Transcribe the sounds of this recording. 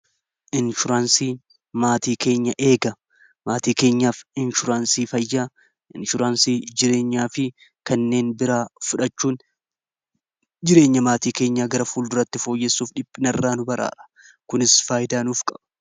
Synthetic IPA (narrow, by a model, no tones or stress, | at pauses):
ʔɪnʃʊɾaːnsiː | maːt̪iːke̞ːɲːɐʔe̞ːɡɐ | maːt̪iːke̞ːɲːaːfɪnʃʊɾaːnsiːfɐjːaː | ʔɪnʃʊɾaːnsiːd͡ʒɪɾe̞ːɲːaːfɪ | kɐnːe̞ːnbɪɾaːfʊᶑɐt͡ʃːuːn | d͡ʒɪɾe̞ːɲːɐmaːt̪iːke̞ːɲːaːɡɐɾɐfuːld̪ʊɾɐt̪ːɪfo̞ːjːɛsːuːfᶑɪpʼːɪnɐrːaːnʊbɐɾa̰ːᶑɐ̥ | kʊnɪsfaːjɪd̪aːnuːfkʼɐ̥b̥ɐ̥